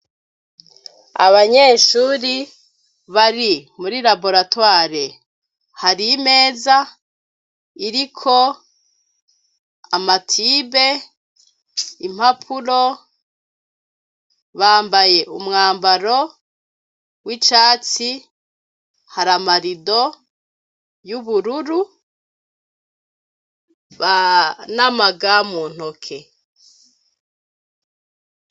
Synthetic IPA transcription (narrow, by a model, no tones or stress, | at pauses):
a̰βaɲe̞ːʃuːɾi | βaɾimuɾilabo̞ɾatwaːɾe | haɾime̞ːza | iɾikʰo | amatʰibe̞ | im̥hapʰuɾo | βaːmbajeʔumŋaːmbaɾo | wit͡ʃaːt͡si | haɾamaɾido | juβuɾuɾu | βanamaɡamuːn̥hokʰe